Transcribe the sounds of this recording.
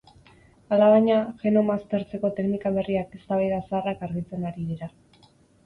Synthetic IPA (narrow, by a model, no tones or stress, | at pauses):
alaβaɲaʝe̞no̞mast̪e̞ɾt͡se̞ko̞t̪e̞knikaβ̞e̞riake̞st̪aβ̞ajðasaarakaɾɣit͡se̞naɾiðiɾa